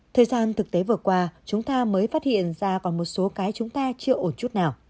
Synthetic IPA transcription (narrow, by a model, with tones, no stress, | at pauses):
t̪ʰəː˨˩jzaː˧nt̪ʰɨ˨˩k̚t̪e˨˦vɨ˨˩əkwaː˧t͡ɕʊ˨˦ŋ͡mt̪aː˧məː˨˦jfaː˦˥t̚hḭ˧˨ənzaː˧kɔ˨˩nmo˨˩t̚so˨˦kaː˨˦jt͡ɕʊ˨˦ŋ͡mt̪aː˧t͡ɕɨ˧əʔo˧˩nt͡ɕu˦˥t̚naː˨˩w